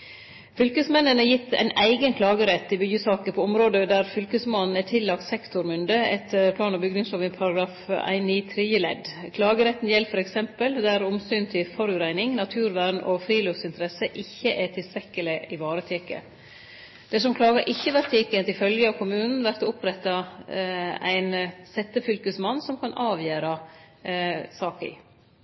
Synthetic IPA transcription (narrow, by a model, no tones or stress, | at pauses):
fʏlkəsmɛnːənəjɪt̪ʰːæ̰ɪnæɪɡənkʰlɑːɡəɾɛt̪ːɪbʏɡəsɑːkəpʰoɔmɾoːd̪əd̪æɾfʏlkəsmɑːnn̩æʈʰɪlːɑk̚t̪sɛkt̪ʊɾmʏnd̪əɛt̪ʰːəɾpʰlɑːnɑbʏɡd̪ɪŋsoʋɪpʰɑɾɑɡɾɑːfæ̰ɪniːt̪ʰɾiːəlɛ̰d̪kʰlɑːɡəɾɛt̪ːn̩jɛlːfɔɾɛksɛmpəld̪æɾʊmsyːnt̪ʰɪlfɔɾʉɾæɪnɪŋnɑt̪ʰʉːɾʋæɾɳʔɔfɾiːlʉfsɪnt̪əɾɛsəʔɪçːəʔɛt̪ʰɪlst̪ʰɾɛkːəlɪɪʋɑːɾət̪ʰeːkə̰ | d̪̥ɛsɔmkʰlɑːɡəɾʔɪçːəʋæɾt̪ʰeːkət̪ɪlfœljəɑʋkʰʊmʉːnn̩ʋæɾt̪ʊpɾɛt̪ːɑ | æ̰ɪnsɛt̪ːəfʏlkəsmɑnːsɔmkʰɑnʔɑːʋjøːɾɑ | sɑːkə̰